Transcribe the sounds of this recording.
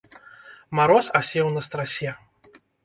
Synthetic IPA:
maɾɔsasʲɛwnɐst̪ɾasʲɛ

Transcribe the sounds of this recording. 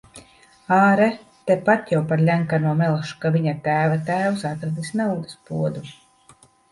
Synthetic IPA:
aːɾɛ | t̪epat̪jawpaɾlʲæŋkanuɔmɛlˠʃu̥kaviɲat̪æːvat̪æːwsat̪ɾad̪isnawd̪ɨspuɔd̪u

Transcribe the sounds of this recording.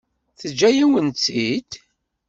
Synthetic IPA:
θəd͡ʒːæjæwənt͡s̪ːid̪

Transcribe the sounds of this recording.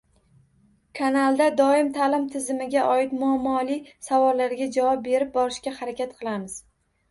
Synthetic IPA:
kʰanalˠd̪ad̪ɒɪmt̪ʰalɪmt̪ʰɪzɪmɪɡʲaʔɒɪt̪mʊamːɒlisavɒlːaɾɡʲad͡ʒavɒp̚be̞ɾɪp̚bɒɾɪʃkʲahaɾakʲʰat̪qʰɨlˠamɪz̥

